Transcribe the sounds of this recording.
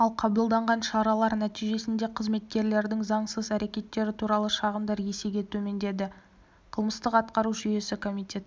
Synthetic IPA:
ɑlˠqʰɑbəlˠd̪ɑɴʁɑnʃɑɾɑlˠɑɾnæt̪ijʒe̞sɪnd̪e̞qʰəzme̞t̪̚kʲe̞ɾle̞ɾd̪ɪŋzɑɴsəzæɾe̞kʲe̞t̪ːe̞ɾɪt̪ʰuɾɑlˠəʃɑʁəmd̪ɑɾje̞seɡʲe̞t̪ʰɵme̞nd̪e̞d̪ɪ | qʰəlˠməst̪əqɑt̪̚qɑɾuʒʏje̞sɪkʰo̞mijt̪ʲe̞t̪

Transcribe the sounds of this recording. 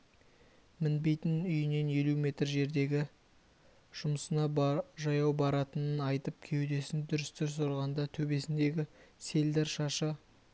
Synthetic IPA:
mɪnbe̞jt̪ɪnʏjɪne̞nje̞lume̞t̪rʒe̞ɾd̪e̞ɡʲɪ | ʒ̥ʊməsənɑʒɑjɑwbɑɾɑt̪ənənɑjt̪əp̚kʲʰe̞wd̪e̞sɪnd̪ʏɾɪst̪ʏɾsoɾʁɑnd̪ɑt̪ʰɵbe̞sɪnd̪e̞ɡʲɪse̞ld̪eɾʃɑʃɑ

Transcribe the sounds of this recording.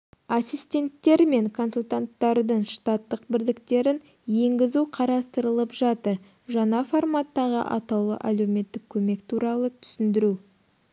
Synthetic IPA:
asijst̪ʲe̞nt̪ːe̞ɾme̞ŋkʰo̞nsulʲt̪ant̪ːɑɾd̪əɴʃt̪ɑt̪ːəq̚bɪɾd̪ɪkt̪e̞ɾɪn | je̞ŋɡʲɪzuqʰɑɾɑst̪əɾəlˠəpʒɑt̪əɾ | ʒɑɴɑformat̪ːɑʁə̰ʔɑ̰t̪ɑwlˠə̰ʔæluwme̞t̪ːɪk̚kʲʰɵme̞kt̪ʰuɾɑlˠət̪ʰʏ̥sɪnd̪ɪɾu

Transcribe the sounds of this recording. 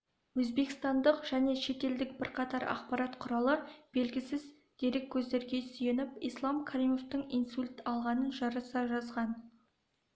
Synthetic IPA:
wɵzbe̞kʲɪst̪ɑnd̪əqʒ̥æne̞ʃe̞t̪e̞ld̪ɪkb̥ɪɾqʰɑt̪ɑɾɑ̰qpɑɾɑt̪qʰʊɾɑlˠəb̥e̞lɡʲɪsɪz | d̪̥eɾekʲʰːɵzd̪e̞ɾɡʲe̞sʏjenɪpijslˠɑmkʰaɾimo̞ft̪əɴinsulʲt̪ɑlˠʁɑnənʒɑɾəsɑʒɑzʁɑn

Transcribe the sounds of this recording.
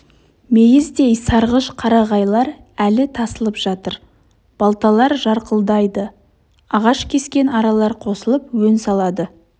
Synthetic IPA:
me̞jɪzd̪ejsɑɾʁəʃqʰɑɾɑʁɑjlˠɑɾ | ælɪt̪ʰɑsəlˠəpʒ̥ɑt̪əɾ | b̥ɑlˠt̪ɑlˠɑɾʒɑɾqəlˠd̪ɑjd̪ə | ɑʁɑʃkʲʰe̞skʲe̞nɑɾɑlˠɑɾqʰo̞səlˠəpwɵnsɑlˠɑd̪ə

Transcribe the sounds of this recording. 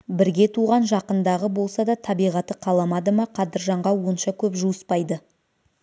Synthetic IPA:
bɪɾɡʲe̞t̪ʰuʁɑnʒɑqənd̪ɑʁəbo̞lˠsɑd̪ɑt̪ʰɑbijʁɑt̪əqʰɑlˠɑmɑd̪əmɑqʰɑd̪əɾʒɑɴʁɑwo̞nʃɑkʲʰɵpʒuəspɑjd̪ə

